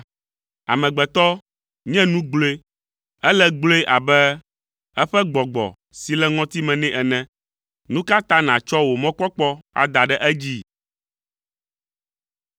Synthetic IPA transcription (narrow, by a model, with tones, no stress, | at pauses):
a̰˨mɛ̃˨ɡ͡bɛ˨t̪ɔ˦ | ɲɛ̃˦nũ˦ɡ͡blo˦e˦ | ɛ˦lɛ˦ɡ͡blo˦e˦ʔa˨bɛ˦ | ɛ˦ɸɛ˦ɡ͡bɔ˨ɡ͡bɔ̰˨ | si˨lɛ˦ŋɔ̃˦t̪i˦mɛ̃˨nɛ̃˦ʔɛ˨nɛ̃˨ | nũ˦ka˦t̪ã˦nã˨t͡ʃɔ˦wo˨mɔ̃˦k͡pɔ˦k͡pɔ˦a̰˨d̪a˨ɖɛ˦ʔɛ˦d͡ʑi˦